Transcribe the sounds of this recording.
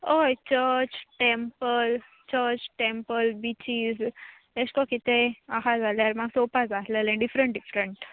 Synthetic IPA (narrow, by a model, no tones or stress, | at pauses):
ojt͡ɕəɾt͡ɕʈempəl | t͡ɕəɾt͡ɕʈempəlbit͡ɕiːz | eɕkɔkit̪ẽaɦad͡zaljaɾmaɡsopad͡zat̪ləlẽɖifɾəɳʈ̚ɖifɾəɳʈ